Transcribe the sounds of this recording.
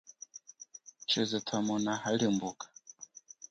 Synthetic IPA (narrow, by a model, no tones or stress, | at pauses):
t͡ʃɛzɛtʰamɔnahalimbukḁ